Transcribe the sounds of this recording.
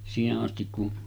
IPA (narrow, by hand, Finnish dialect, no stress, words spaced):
siːheʔ ʔɑstik kun